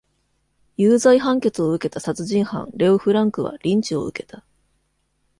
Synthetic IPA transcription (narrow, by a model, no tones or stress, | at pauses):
jɯːzaiɦãŋke̞t͡sɨo̞ɯ̟ke̞t̪asat͡sɨʑĩɰ̃hã̰nɾe̞oɸɯ̟ɾãŋkɯ̟βa̰ɾʲĩɲ̟t͡ɕio̞̰ɯ̰ke̞t̪a